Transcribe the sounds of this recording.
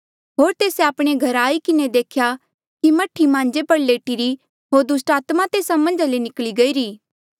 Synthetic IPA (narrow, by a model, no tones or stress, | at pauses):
ɦoːɾt̪eːseaːpɽ̃eɡʱɐɾaːikɪned̪eːkʰja | kimɐʈʰimãːnd͡ʒepɐɾleːʈiɾi | ɦoːɾd̪ʊs̬ʈaːt̪mat̪eːsamɐ̃nd͡ʒalenɪkliɡɐiːɾiː